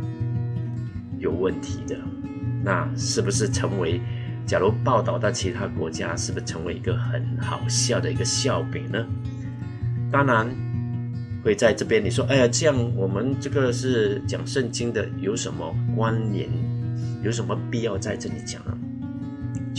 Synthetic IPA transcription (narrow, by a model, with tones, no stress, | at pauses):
jo˨˩ʊwə˥˩nt̪ʰi˧˥d̪ə˧na̰˥˧ʂɻ̩˥˩bu˨˩ʂɻ̩˥˩ʈ͡ʂʰə˧˥ŋwe˧˥ɪt͡ɕja˨˩lu˧˥pɑ˥˧ʊt̪ɑ˥˩ʊt̪ə˥˩t͡ɕʰi˧˥t̪ʰa˥kwɔ̰˧˥t͡ɕja̰˥ʂɻ̩˥˩bu˩ʂ̩ʰ˥˩ɤ˧˥ŋwe˧˥ɪi˧˥ɡə˧xə˨˩˦nxɑ̰˨˩ʊɕjɑ˥˩ʊd̪ə˩i˧˥ɡə˧ɕjɑ˥˩ʊpɛ̰˨˩nə˦ | t̪ɑ˥ŋna˧˥n | xwe˥˧ɪt͡sa˥˧ɪʈ͡ʂɤ˥˩pjɛ˥nli˨˩ʂwɔ˥ʔa˧jʈ͡ʂɤ˥˧jɑ˥˩ŋwɔ˨˩mə˦nʈ͡ʂɤ˥˩ɡə˨ʂɻ̩˥˩t͡ɕjɑ̰˨˩ŋʂə˥˧˩nt͡ɕi˥ŋd̪ə˨jo˧˥ʊʂə˧˥nmə˧kwa˥nnjɛ̰˧˥˦njo˧˥ʊʂ̬ə˧˥nmə˧pi˥˧jɑ˥˧ʊt͡sa˥˧ɪʈ͡ʂɤ˥˩li˨˩t͡ɕjɑ̰˨˩ŋnə̰˦